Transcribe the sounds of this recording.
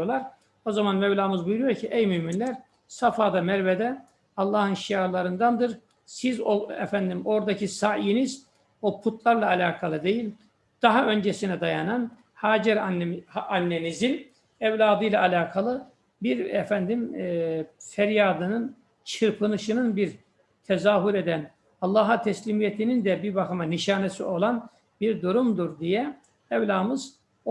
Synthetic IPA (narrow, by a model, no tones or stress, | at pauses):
oɾlˠaɾ | o̞zamanmɛvlʲˠaːmɯzbujuɾyjo̞ɾcʰiʔɛjmyminlʲæɾ | safaːd̪amɛɾvɛd̪ɛ | ɑlˠːɑːhɯnʃijaɾlˠaɾɯnd̪and̪ɯɾ | sizoɛ̰fænd̪imo̞ɾd̪acʰisajiniz | o̞pʰut̪lˠaɾlˠaːlʲaːkʰalˠɯd̪e̞jilʲ | d̪̥aɦaø̞nd͡ʒesinɛd̪ajanan | haːd͡ʒɛɾ | anːenizin | ɛvlʲaːd̪ɯjlˠaːlʲaːkʰalˠɯ | biɾɛfænd̪im | fɛɾjaːd̪ɯnɯn | t͡ʃʰɯɾpʰɯnɯʃɯnɯnbiɾ | t̪ʰɛzaːɦuɾe̞d̪æn | ɑlˠːɑːɦat̪ʰɛslʲimijɛt̪ʰinind̪ɛbiɾbaxɯmaniʃaːnesio̞lˠan | biɾd̪uɾumd̪uɾd̪ijɛ | ɛvlʲaːmɯz